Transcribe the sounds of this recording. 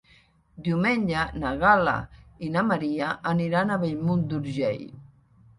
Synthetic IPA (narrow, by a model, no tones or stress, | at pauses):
d̪iumɛɲʲd͡ʒanaɣala̰inamaɾiaʔːniɾanaβejmund̪uɾʒɛ̰j